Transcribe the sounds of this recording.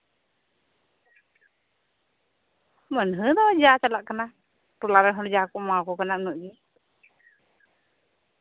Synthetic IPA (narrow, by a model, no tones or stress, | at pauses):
mənɦəd̪ɔad͡ʒat͡ʃalaʔkana | ʈulaɾaɦɔnd͡ʒakɔʔmakɔkananuʔd͡ʒi